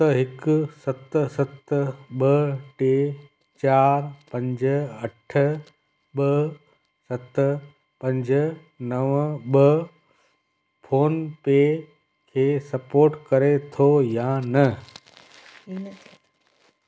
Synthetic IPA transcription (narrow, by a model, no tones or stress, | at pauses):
t̪ɐɦɪkʊsɐt̪sɐt̪ɓɐʈeː | t͡ɕaːɾpɐ̃ɲd͡ʑɐʈʰə | ɓɐ | sɐt̪ | pɐ̃ɲd͡ʑʱə | nɐʋɓɐ | pʰoːnpe | kʰeːsɐpoːɾʈkɐɾet̪ʰojãnɐ